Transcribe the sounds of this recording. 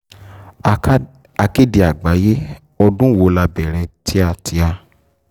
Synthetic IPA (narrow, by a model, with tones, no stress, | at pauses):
a˨ke˦di˨a˨ɡ͡ba˨˦je˦ | ɔ˧dũ˦wo˧˦la˧bɛ˨ɾ̃ɛ̃˧tʰi˦a˧˨tʰi˧˦a˧